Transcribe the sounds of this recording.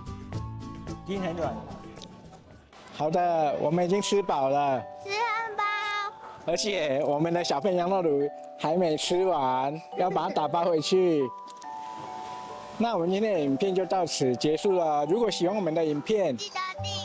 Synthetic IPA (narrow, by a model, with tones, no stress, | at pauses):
t͡ɕi˥nʰa˧˥˦nwa˨˩˦n | xɑ˨˩ʊd̪ə˦wʔɔ̰˨˩mə˦ni˨˩t͡ɕi˥ŋt͡s̩ʰ˥pɑ˨˩ʊlə˦ | ə˞˧˥t͡ɕʰjɛ˨˩wɔ˨˩mə˦nd̪ə˧ɕjɑ˨˩ʊfə˥˩njɑ˧˥ŋlɔ˥˧˩lu˧˥ | xa˧˥ɪme˧˥ɪt͡s̩ʰ˥wa˦njʊp̬a˨˩a˥˩t̪a˨˩pa˥we˧˥ɪt͡ɕʰy˥˩ | na˥˩wɔ˨˩ə˦nt͡ɕi˥n˥˩i˨˩npʰjɛ˥˧nt͡ɕjo˥˧ʊt̪ɑ˥˩ʊt͡sʰɹ̩˨˩t͡ɕjɛ˧˥ʂu˥˩lə˩ɻu˧˥kwɔ˨˧˥ɕi˨˩wɑ˥˩ŋwɔ˨˩mə˧˦nd̪ə˧i˨˩npʰjɛ˥˩n